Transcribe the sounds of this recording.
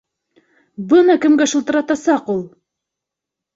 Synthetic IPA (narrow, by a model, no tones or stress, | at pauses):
bɤnɑkɘ̆mɡæʃɤ̆lˠt̪ɤ̆ɾɑt̪ɑsɑqulˠ